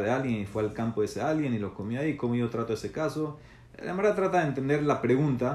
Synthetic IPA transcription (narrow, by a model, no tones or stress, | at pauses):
ðealɣjenifwealkampoðesealɣje̞nilo̞sko̞mjoaikomo̞ʝo̞t̪ɾat̪oese̞kaso̞ | lemaɾɣat̪ɾat̪aðent̪e̞nd̪e̞ɾlapɾe̞ɣunt̪a